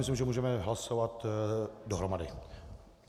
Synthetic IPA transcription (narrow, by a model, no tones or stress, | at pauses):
mɪs̬limʒɛmuːʒɛmɛɦlasovat̪doɦɾomadɪ̰